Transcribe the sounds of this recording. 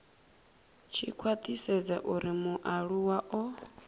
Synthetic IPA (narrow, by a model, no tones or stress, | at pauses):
t͡ʃʰikʰwat̪ʼisɛd͡za̰ʔuɾimuʔaɺuwaʔɔ